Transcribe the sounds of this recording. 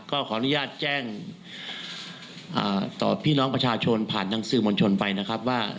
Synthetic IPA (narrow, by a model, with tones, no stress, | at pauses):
kɔː˥˩kʰɔː˩˦ʔa˧˩nu˦jaː˥˩t̪̚t͡ɕɛː˥˩ŋ | ʔa̰ː˨˩t̪ɔ̰ː˨˩pʰiː˥˩nɔː˦˥ŋpɾa˧t͡ɕʰaː˧t͡ɕʰo˧npʰaː˨˩nːa˨˦˥ŋsɯː˨˩˦mo˧nt͡ɕʰo˧npa˧jna˦˥kʰa˦˥p̚waː˥˩